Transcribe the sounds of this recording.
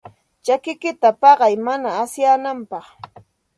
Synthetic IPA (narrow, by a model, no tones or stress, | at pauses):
t͡ʃakɪkɪt̪apɑɢɑjmanaːsjaːnampɑχ